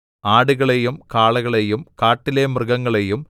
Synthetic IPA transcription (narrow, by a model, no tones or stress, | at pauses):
aːɽuɣɐɭejumkaːɭɐɣɐɭejumkaːʈːilemrɨɣɐŋːɐɭe̞jum